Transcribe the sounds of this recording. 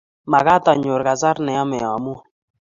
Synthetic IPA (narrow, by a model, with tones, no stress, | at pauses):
ma˨ka˦ta˨ɲʊ˨ɾka˨sa˦ɾnɛ˨a˦mɛ˨ɔ˨mu˦